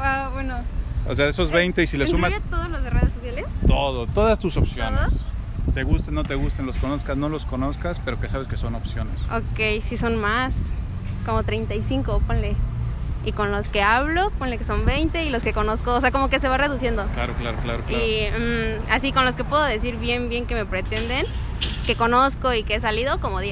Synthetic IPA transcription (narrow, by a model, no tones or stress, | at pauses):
aβwenoo̰seaðesozβejnt̪e̞isilesumasat̪oðolozðereðesosjalest̪oðot̪o̞ðast̪usopsjonest̪e̞ɣust̪anːo̞t̪e̞ɣust̪anloskono̞skasno̞lo̞sko̞no̞skaspe̞ɾo̞kesaβeskeso̞no̞psjo̞nesokejsiso̞nmas | ko̞mot̪ɾejnt̪ajsiŋko̞ponle̞iko̞nlo̞ske̞aβlo̞po̞nle̞keso̞mbe̞jnt̪e̞ilo̞ske̞ko̞no̞skoːse̞ako̞mo̞ke̞se̞β̞are̞ðusje̞nd̪oklaɾoklaɾoklaɾokai | asiko̞nlo̞ske̞pweðoðe̞siɾβje̞mbje̞ŋke̞mepɾe̞t̪e̞nd̪en | ke̞ko̞noskoikees̬aliðo̞ko̞moðje